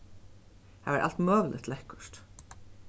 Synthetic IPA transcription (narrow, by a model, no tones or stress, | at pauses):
havɛɾʔa̰l̥t̪mœːɣlʔɪ̰t̪ʰlɛhkʊ̥ʂt̪